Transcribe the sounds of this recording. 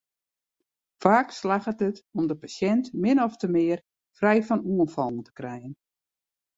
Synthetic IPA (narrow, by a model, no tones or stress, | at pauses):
faːkslaxətətɔmdəpasjɛntmɪnɔftəmɪər | frɛjfɔnuənfɔlˠn̩tə̥krɛjən